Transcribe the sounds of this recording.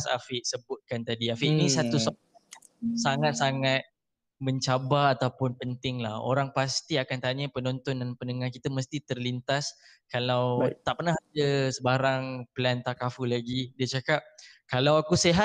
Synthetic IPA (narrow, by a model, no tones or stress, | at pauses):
sa̰fɪʔsəbʊt̪̚kant̪adiafiʔinisat̪usɔ | saŋat̪̚saŋat̪̚ | məɲt͡ʃabaːt̪awpʊnpənt̪ɪŋlaho̰ɾaŋpast̪iakant̪aɲəpənont̪ɔndanpənəŋahkit̪əməst̪it̪ərlint̪as | kalawt̪aʔpərnahad͡ʒəsəbaɾaŋpəlant̪akafulaɡidiət͡ʃakap̚kalawakuseɦa